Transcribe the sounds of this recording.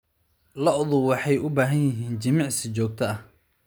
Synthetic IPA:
lɐʔʊðʊwɑħɑjʔʊbaːɦɐnjɪɦiːnt͡ʃɐmɑʕsɪt͡ʃɔːk̚t̪ʰɐɐh

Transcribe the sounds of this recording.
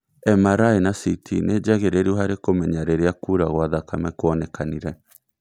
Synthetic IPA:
ɛmaɾaenasitʰḭned͡ʒaɣeɾeɾiuɦaɾekomɛɲaɾeɾeakuːɾaɣwaðakamɛkoɔnɛkaniɾɛ

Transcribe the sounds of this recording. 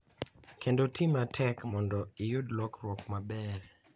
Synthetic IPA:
kʰendotʰimatʰɛkmɔndɔɪjudlɔkɾwɔkmabɛɾ

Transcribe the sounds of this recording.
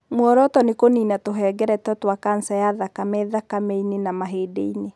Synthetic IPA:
mwɔɾɔtɔnekoniːnatoɦɛːɡɛɾɛtɛtwakansajaðakamɛðakamɛinenamaɦeːdḛine

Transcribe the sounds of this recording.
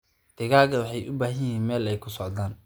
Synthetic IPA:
d̪̥ɪɣaːɡɐwɑħɑjʔʊbaːɦɐjiːnmɛːlɛjkʰʊsɔʕd̪aːn

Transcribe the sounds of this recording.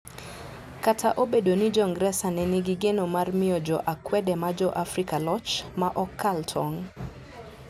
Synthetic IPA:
katʰaʔobedonid͡ʒɔŋɡɾɛsanɛnɪɡiɡenomarmɪɔd͡ʒɔʔakwɛdɛmad͡ʒɔʔafɾikalɔt͡ʃmaʔɔkʰːaltʰɔŋ

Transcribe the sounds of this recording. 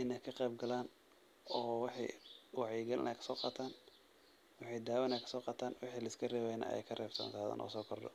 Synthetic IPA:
ʔɪnɛkʰɐqɛjb̚ɡɐlaːn | ɔːwɪħḭwɑʕɛjɡɐlɪ̰nʔɐ̰jkʰɐ̥sɔːqɑːt̪ʰaːn | wɪħɑjd̪aːwɛnɐːjkʰɐ̥sɔːqɑːt̪ʰaːnwɪħiːlɐɪskʰɐrɛːwɛːjnɐ̰ːʔɛ̰jkʰɐrʔɛːbt̪ʰɔ̰nsaːðɐ̰ːnʔɔ̰ːsɔːkʰɔrd̪ɔ̰

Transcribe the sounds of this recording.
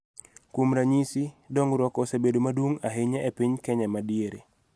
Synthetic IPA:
kwomɾaɲisidɔŋɾwɔkɔsebedomadwoŋaɦeɲɛʔepiɲkɛɲamadieɾḛ

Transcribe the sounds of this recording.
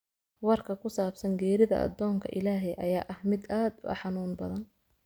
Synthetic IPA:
wɑrkʰɐkʰʊsaːbsɐŋɡɛːɾɪðɐ̰ʔɐ̰d̪ːɔːŋkʰɐ̰ʔɪ̰laːɦɛjʔɐ̰jaːʔɐhmɪd̪aːd̪ʊɐ̰ħɑnuːnbɐðɐn

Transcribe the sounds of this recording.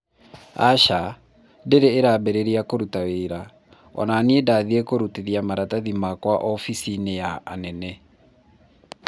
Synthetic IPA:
a̰ʃa | deɾeːɾaːbeɾeɾiakoɾutaweɾa | ɔ̰naːniedaðiekoɾuteðiamaɾataðimakwaʔɔfisinejaːnɛnɛ

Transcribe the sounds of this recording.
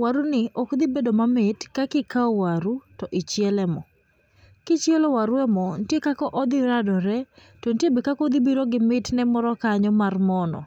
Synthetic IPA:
waɾunɪɔkd̪ibedomamɪtkakɪkaɔwaɾutɔʔɪt͡ʃjɛlɛmɔ | kɪt͡ʃjɛlowaɾwɛmɔntjekakɔʔɔd̪ɪɾadɔɾɛ | tontjebɪkakɔd̪ibiɾoɡɪmɪtnɛmɔɾɔkaɲɔmarmɔnɔ̰

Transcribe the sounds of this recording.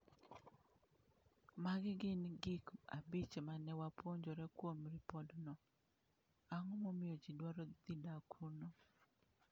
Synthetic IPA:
maɡɪɡɪnɡɪka̰bit͡ʃemanɛwapoɲd͡ʒɔɾɛkwomɾipɔdnɔ | aŋɔmomɪjɔd͡ʒidwaɾɔd̪idakʰuno

